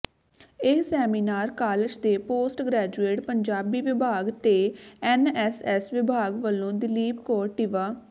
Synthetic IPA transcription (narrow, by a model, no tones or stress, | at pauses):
ɪɦsɛːmiːnaːɾkaːlɪd͡ʒd̪eːpoːsʈɡɾɛːd͡ʒueːʈpəɲd͡ʒaːbiːʋɪbʱaːɡt̪eːɛnɛːsɛːsʋɪbʱaːɡʋəlːõːd̪ɪliːpkoːɾʈiʋaː